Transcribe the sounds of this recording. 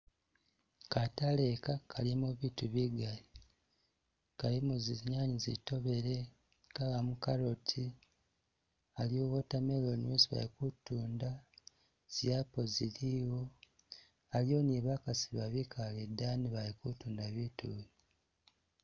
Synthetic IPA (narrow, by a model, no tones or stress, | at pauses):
katale̞kakʰalimuβituβiɡali | kalimuziɲaːɲizḭto̞βe̞ɾe̞ | kaɣamukaɾotʰi | aljowotamelonusβa̰likutuːnda | z̥japo̞ziliwo | aljo̞niβakasiβaβikʰaledaniβalikutuːndaβitu